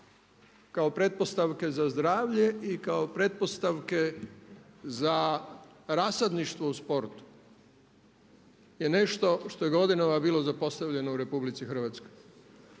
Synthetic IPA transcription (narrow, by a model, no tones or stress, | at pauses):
kao̞pɾe̞t̪̚po̞st̪aʋke̞zazd̪ɾaːʋʎe̞ikaopɾe̞t̪̚po̞st̪aʋke̞ | za | ɾasad̪niʃt̪ʋo̞uspo̞ɾt̪u̥ | jene̞ʃt̪o̞ʃt̪o̞jeɡo̞d̪inaʋabiːlˠo̞zapo̞st̪aʋʎe̞nouɾe̞publit̪sixr̩ʋat̪skoj